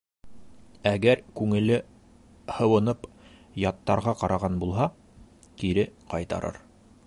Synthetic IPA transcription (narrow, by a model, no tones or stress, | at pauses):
æɡæɾkʉŋɘ̆lɘ | hɤ̆wɤ̆nɤp | jɑt̪ːɑɾʁɑqɑɾʔɑʁɑnbulˠɦɑ | t̪iɾɘqɑjt̪ɑ̰ɾʔɤ̰ɾ